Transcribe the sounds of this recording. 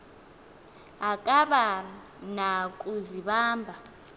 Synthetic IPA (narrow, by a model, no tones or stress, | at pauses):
akʼaɓa | nakʼuziɓaːmbʱa